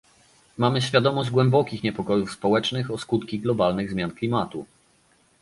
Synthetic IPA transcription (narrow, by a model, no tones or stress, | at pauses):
mamɘɕfʲjad̪ɔmɔʑd͡ʑɡwɛmbɔkʲixɲɛpɔkɔjufspɔwɛt͡ʂnɘxɔskut̪kʲiɡlɔbalnɘɣzmʲjanklʲimat̪u